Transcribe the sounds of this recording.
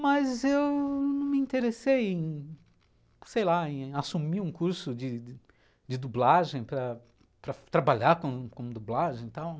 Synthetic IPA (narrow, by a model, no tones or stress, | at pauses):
mɐzewnɐ̃w̃mɪĩnt̪eɾesejẽj̃ | sejlaẽasumiũkuɾsʊd͡ʒɪ | d͡ʒɪd̪ublaʒẽj̃pɾɐ | pɾɐt̪ɾabaʎaɾkõkõmʊd̪ublaʒẽj̃t̪aw